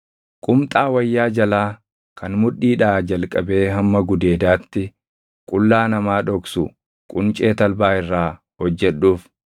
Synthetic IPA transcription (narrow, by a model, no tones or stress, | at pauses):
kʼʊmt̪ʼaːwɐjːaːd͡ʒɐlaː | kʰɐnmʊᶑːiːᶑaːd͡ʒɐlkʼɐbe̞ːɦɐmːɐɡʊd̪e̞ːd̪aːt̪ːɪ | kʼʊlːaːnɐmaːᶑɔksʊ | kʼʊnt͡ʃʼe̞ːt̪ɐlbaːɪrːaː | hɔd͡ʒːɛɗːuːf